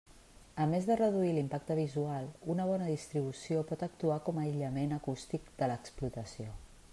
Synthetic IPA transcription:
əmezðərəðuilimpak̚t̪əβ̞izualˠunəβ̞ɔnəðist̪ɾiβ̞usiopɔt̪ək̚t̪uakɔməiʎəmenəkust̪ikd̪ələksplut̪əsio

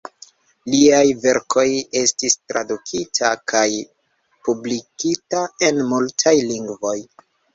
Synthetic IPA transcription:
liajve̞ɾkʰo̞je̞stistɾʔa̰dukʰitʰakʰaj | publikitae̞nmultʰajliŋɡvo̞j

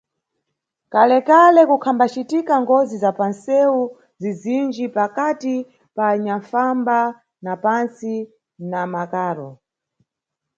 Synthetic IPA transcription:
kalɛkalɛkukʰambat͡ʃitikaŋɡɔzizapansɛu | zizind͡ʒipakati | paːɲaɱfamba | napansi | namakaːɾɔ

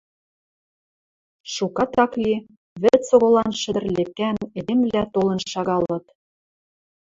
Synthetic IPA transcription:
ʃukɑt̪ɑkli | βɘ̆t͡soɣŏlɑnʃɘ̆d̪ɘ̆rlekæned̪emlæt̪olɤ̆nʃɑɣɑlɤ̆t̪

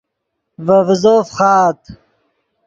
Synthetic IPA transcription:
vɐvzoːfχaːt̪

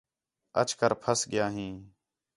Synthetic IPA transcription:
ə̰t͡ʃkəɾpʰəsɠɪjaːɦĩː

